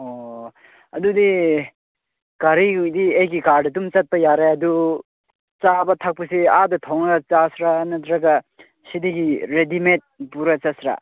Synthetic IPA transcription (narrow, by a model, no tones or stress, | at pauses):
o | ɐdudi | ɡ̥aɾidiejɡikaɾdɐtumt͡ʃɐt̚pajaɾeɐdu | t͡sabat̪ʰak̚pusiadɐtʰɔwnaat͡ʃasɾanatɾaɡa | sidiɡiɾedimet̚puɾat͡ʃasɾa̰